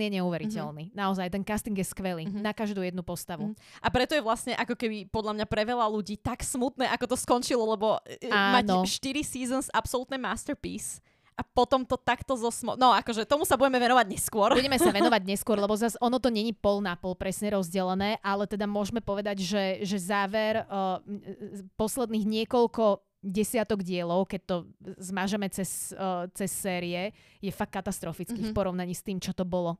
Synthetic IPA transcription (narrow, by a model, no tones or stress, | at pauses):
ɛɲɛuʋɛɾicɛlninaɔzajt̪ɛnkast̪iŋɡjɛskʋɛlinakaʒd̪uːjɛd̪nupɔst̪aʋuʔapɾɛt̪ɔjɛʋlasɲɛʔakɔkɛbipɔd̪lʎamɲapɾɛʋɛlaluɟiːt̪aksmut̪nɛːʔakɔt̪ɔskɔnt͡ʃilɔlɛbɔaːmanʃt̪iɾisiːzɔnzapsɔlut̪nɛmast̪ɛɾpḭːs | ʔapɔt̪ɔmt̪ɔt̪akt̪ɔzɔsmɔ̰nɔakɔʒɛt̪ɔmusabuɟɛmɛʋɛnɔʋaɟɲɛskʊɔɾuɟɛmɛsaʋɛnɔʋaɟɲɛskwʊɔɾlɛbɔzasɔnɔt̪ɔɲɛɲipɔlnapɔlpɾɛsɲɛɾɔzɟɛlɛnɛːʔalɛt̪ɛd̪amʊɔʒmɛpɔʋɛd̪aɟʒɛʒɛzaːʋɛɾ | pɔslɛd̪niːɣɲɪɛkɔlkɔ | ɟɛsɪat̪ɔɡɟɪɛlɔʊkɛc̚t̪ɔzmaʒɛmɛt͡sɛst͡sɛsːɛːɾiɛ | jɛfakːat̪ast̪ɾɔfit͡skifpɔɾɔʊnaɲiːst̪iːmt͡ʃɔt̪ɔbɔlɔ